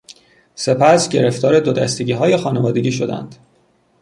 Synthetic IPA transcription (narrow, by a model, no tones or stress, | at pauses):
se̞pʰæsɟe̞ɾe̞ft̪ɒːɾe̞d̪o̞d̪æ̰st̪eɟiːɦɒːje̞xɒːnevɒːd̪e̞ɟʲiːʃ̬o̞d̪æ̰nd̪̥